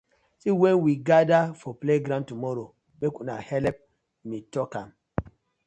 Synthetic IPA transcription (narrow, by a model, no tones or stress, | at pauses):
siwɛ̃nwiɡadafɔpleɡɾãntumɔɾo | mekũnahɛlɛp̚ | metɔkãm